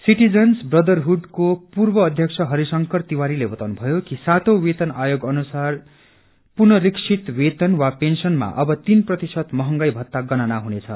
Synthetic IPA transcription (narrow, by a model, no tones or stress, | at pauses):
siʈid͡zʌnsbrʌd̪ʌrɦuɖkopurbʌːd̪ʱjʌkt͡sʰʌɦʌɾisʌŋkʌrt̪iwaɾilebʌt̪awnubʱʌjokisat̪owet̪ʌnajoɡʌnusar | purnʌɾiksʰit̪wet̪ʌnwapensʌnma̰ʔʌbʌt̪inprʌt̪isʌt̪mʌɦʌŋɡʌjbʱʌt̪ːaɡʌnanaɦunet͡sʰʌ̰